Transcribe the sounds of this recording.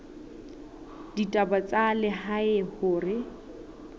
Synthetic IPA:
d̥itʼabat͡sʼalɪɦaɪhʊːrɪ

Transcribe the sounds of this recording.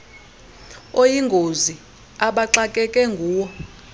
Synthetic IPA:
ojiŋɡʱozi | aɓaǁakʼɛkʼɛŋɡʱuːwɔ

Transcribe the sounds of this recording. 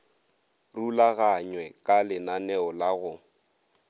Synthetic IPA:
rulaɣaɲwɛkʼalɪnanɛɔlaɣʊ

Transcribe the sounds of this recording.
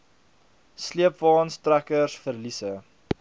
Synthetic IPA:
sliəpvɑːnstrækərsfərlisə

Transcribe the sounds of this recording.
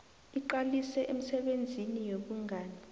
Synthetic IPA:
iǃalisɛʔem̩sɛɓend͡zʱinijoɓuŋʱaːni

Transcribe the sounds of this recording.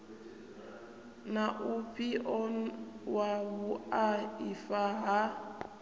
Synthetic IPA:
naʔupʰiʔɔwaβuaifaɦa

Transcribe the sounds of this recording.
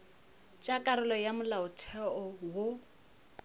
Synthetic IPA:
t͡ʃʼakʼaɾʊlɔjamʊlaʊtʰɛɔwo

